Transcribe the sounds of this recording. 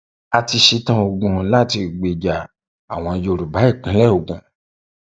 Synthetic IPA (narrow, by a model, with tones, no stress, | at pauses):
a˧ti˧ʃi˧˦tã˧o˧ɡũ˨la˦˨ti˧˨ɡ͡be˨d͡ʒa˨ | a˨w̃ɔ̃˧jo˧˨ɾu˨ba˨˦i˦˨kĩ˨˦lɛ˦o˨ɡã˨